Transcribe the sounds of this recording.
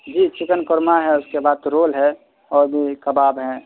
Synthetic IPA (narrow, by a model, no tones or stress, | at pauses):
d͡ʒiːt͡ʃʰɪkənkʊɾmaɦɛʊskebaːd̪̚ɾoːlɦɛ | ɔːɾbʱikəbaːbɦɛ̃